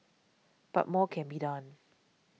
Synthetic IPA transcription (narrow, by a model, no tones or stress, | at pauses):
b̥a̰t̚mɔkʰɛ̃nbiːdãn